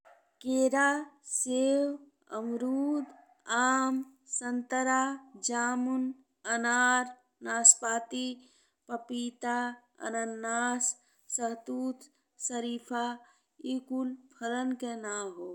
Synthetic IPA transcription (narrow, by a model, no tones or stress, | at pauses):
keɾasew | ə̰mɾud̪ | aːmsənt̪əɾad͡ʒaːmun | ənaɾ | naːspaːt̪i | pəpit̪a | ə̰nənːasː | əɦt̪ut̪ | səɾipʰa | ikulpʰələnkenaɦo